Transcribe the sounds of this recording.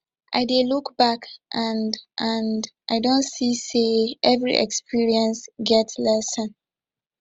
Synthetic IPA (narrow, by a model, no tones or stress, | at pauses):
ʔa̰ɪdelukb̥akʔãnʔãndʔaɪdõntsiseʔɛvɹḭʔɛ̰kspiɹiɛ̃nsɡɛtslɛsə̃n